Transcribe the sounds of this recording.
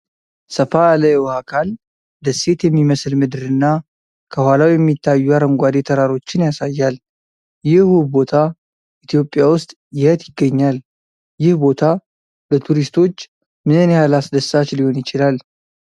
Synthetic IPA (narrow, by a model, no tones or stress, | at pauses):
səfaləwhakʰal | d̪əse̞t̪jɛmːiməslmɨd̪ɨɾɨnːa | kʰəhwalawjɛmːit̪ʰːajːuaɾəŋɡʷad̪e̞t̪ʰəɾaɾo̞t͡ʃːɪnjasajːal | jɪhubo̞t̪ʰa | ʔit̪ʰijo̞pʼːjawʊst̪ʼ | jɪhət̪jɪɡːəɲːal | jɪhbo̞t̪ʰa | bət̪ʰuɾist̪ʰo̞t͡ʃː | mɨnɨnhalasd̪əsːat͡ʃliho̞njɪt͡ʃɪlal